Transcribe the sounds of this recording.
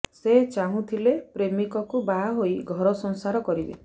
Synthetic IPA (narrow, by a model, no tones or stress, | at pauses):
set͡ʃaɦũt̪ʰilepɾemikɔkubaɦojɡʱɔɾɔsɔŋsaɾɔkɔɾibḛ